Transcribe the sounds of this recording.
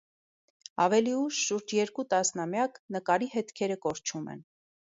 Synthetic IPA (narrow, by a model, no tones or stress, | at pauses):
ɑvɛliuʃʃuɾd͡ʒjɛɾkut̪ɑsnɑmjɑknəkɑɾiɦɛt̪kʰɛɾəkɔɾt͡ʃʰumɛ̰n